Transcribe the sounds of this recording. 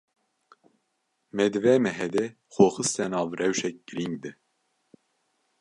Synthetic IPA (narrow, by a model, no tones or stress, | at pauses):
mɛd̪ɨvɛmɛɦɛd̪ɛ | xoːxɨst̪ɛnɑːvrɛwʃɛk̚ɡ̥ɨɾiŋɡd̪ɨ